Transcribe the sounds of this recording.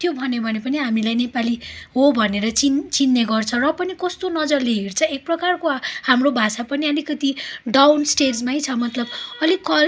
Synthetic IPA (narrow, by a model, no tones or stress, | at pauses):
t̪ʰjobʱʌnebʱʌnepʌniɦamilajnepaliɦobʱʌneɾʌt͡sint͡sinːeɡʌrt͡sʰʌ̃rʌpʌnikʌst̪onʌd͡zʌrleɦirt͡sʰʌek̚prʌkarkohamrobʱasapʌniʌlikʌt̪iɖawnsʈed͡zmajt͡sʰʌmʌt̪lʌbʌlikʌ